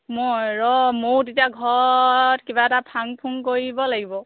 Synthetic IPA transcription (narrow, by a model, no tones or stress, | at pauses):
mojɹɔmotitiaɡʱɔtkibatapʰaŋpʰuŋkoɹibɔlaɡibɔ